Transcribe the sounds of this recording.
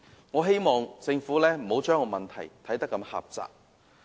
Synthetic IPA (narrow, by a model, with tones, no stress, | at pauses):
ŋɔː˨˧ɦe˥jmɔː˨ŋt͡sɪ˧ŋfuː˨˥lɛː˥m̩˨˩ho˨˧˥wt͡ʃœː˥ŋɔː˨˧mɐ˨nt̪ʰɐ˨˩jt̪ʰɐ˨˥jt̪ɐ˥kːɐ˧˥mha̰ː˨p̚t͡sa̰ː˨k̚